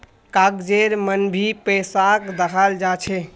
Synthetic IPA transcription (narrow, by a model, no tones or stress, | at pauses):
kakd͡ʒeɾmənbʱipəjsakd̪əkʰald͡ʒat͡ʃʰɛ